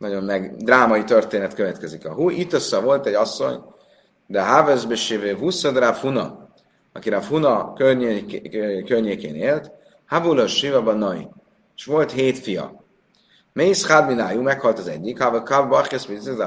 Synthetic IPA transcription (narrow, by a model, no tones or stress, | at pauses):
nɒɟo̞nmɛɡd̪raːmɒit̪ørt̪eːnɛt̪køvɛt̪kɛzikɒɦuʔit̪ːøsɒvo̞lt̪ɛɟɒsːo̞̰ɲ | d̪ɛɦavøzbeʃeːvøːvusɒd̪rafunɒ̰ | ɒ̰kiɾafunɒkørɲe | kørɲeːkeːneːlt̪ | havuloʃivɒbɒnɒḭ | eʃʋo̞lt̪heːt̪fijɒ̰ | mejsχadbinajumɛkhɒlt̪ɒzɛ̰ɟːikhavkabɒrχesmized̪a